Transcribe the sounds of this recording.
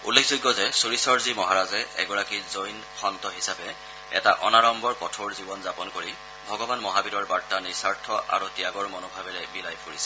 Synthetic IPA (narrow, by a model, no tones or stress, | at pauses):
ṵlːekʰzuɡːɔzɛsuɹisɔɹzimɔɦaɹazɛʔɛ̰ɡɔɹakizojn | xɔntɔɦisapɛ | ɛ̰taʔɔnaɹɔmbɔɹkɔtʰoɹzibɔnzapɔnkoɹi | bʱɔɡɔbanmɔɦabidɔɹbaɹtːanisaɹtʰɔʔa̰ɹutijaɡɔɹmɔnɔbʱabɛlɛbilajpʰuɹisɛ̥